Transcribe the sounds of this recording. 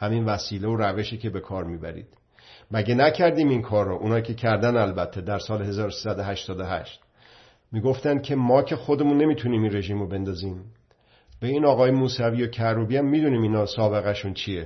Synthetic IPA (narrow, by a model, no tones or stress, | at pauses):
hæminvæsiːleoɾæve̞ʃiːcʰe̞be̞kʰɒːɾmiːbæ̰ɾḭːd̪̥ | mæɟenæcʰæɾd̪iːminkʰɒːɾːoʔunɒːjikcʰe̞cʰæɾd̪ænælbæt̪ʰːe̞d̪æɾsɒːleɦe̞zɒːɾosiːsæd̪oɦæʃt̪ɒːd̪ohæ̰ʃt̪ | miːɡo̞ft̪ænd̪̚cʲʰe̞mɒːcʰe̞xo̞d̪e̞muːnːe̞miːt̪ʰuniːminre̞ʒiːmobe̞nd̪ɒːziːm | b̥eiːnɒːɣɒːjemuːsæviːocʰæɾubiæmːiːd̪uniːmiːnɒːsɒːbe̞ɣæʃunt͡ʃʰije